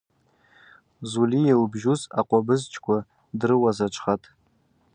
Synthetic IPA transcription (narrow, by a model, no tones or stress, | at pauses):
zulijalbʒuza̰qʷʼabɨzt͡ʃʼʰkʷʰʼa | drɨwazat͡ʃʷʰʼχatʼ